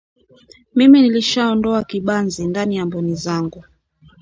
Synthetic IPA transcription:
miminiliʃaɔndɔakiɓanzindanijambɔnizaŋɡu

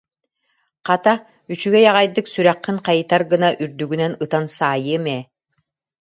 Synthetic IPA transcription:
qɑt̪a | yt͡ʃyɡɛjaʁajd̪ɯksyɾæqːiŋqɑjɯt̪aɾɡɯnaʔyɾd̪yɡynɛnɯt̪ansaːjɯmɛː

